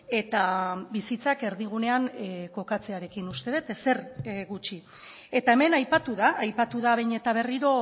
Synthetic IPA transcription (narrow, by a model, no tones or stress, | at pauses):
e̞t̪abisit͡sake̞ɾðiɣ̞une̞aŋko̞kat͡se̞aɾe̞kinust̪e̞ðet̪ese̞rɣut͡ʃi | e̞t̪ae̞me̞najpat̪uðaːjpat̪uðaβejɲe̞t̪aβ̞e̞riɾo̞